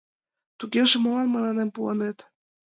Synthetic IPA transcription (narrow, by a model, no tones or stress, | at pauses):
t̪uɣeʒĕmɤlɑnmɤlɑnempuɑnet̪